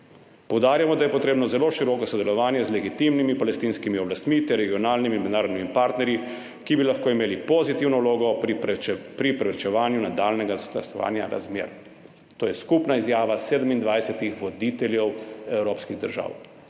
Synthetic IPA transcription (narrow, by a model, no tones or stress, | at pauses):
pɔwd̪aːɾjamɔd̪ajɛpɔt̪ɾeːbnɔzɛloʃiɾɔkɔsɔd̪ɛlɔʋaːnjɛzlɛɡit̪imnimipalɛst̪inskimiɔblast̪mit̪ɛɾːɛɡiɔnaːlnimiːnmɛd̪naːɾod̪nimipaːɾt̪nɛɾji | kibilaxkoːimeːlipozit̪iwnɔuloːɡɔ | pɾipɾɛpɾɛt͡ʃɛʋaːnjunad̪aːlnɛɡazst̪ɐ̰sɔ̰ʋa̰ːnja̰ɾa̰zmjḛːɾ | t̪oːjɛskupnaizjaːʋaseːd̪əmind̪ʋajsɛt̪ixʋɔd̪it̪ɛljɛwɛwɾoːpskiɣd̪əɾʒa̰ːw